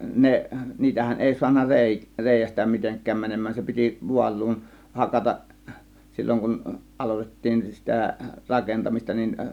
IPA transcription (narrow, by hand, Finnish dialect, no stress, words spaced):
ne niːtæhæn eˑi suɑnːɑ reˑi reˑijæstæ miteŋkˑæːm mænemˑæːn se piti ʋuɑlˑuːn hɑkɑtɑʔ silʲːoŋ kun ʔɑlotetːiːn sitæ rɑkentɑmistɑ nin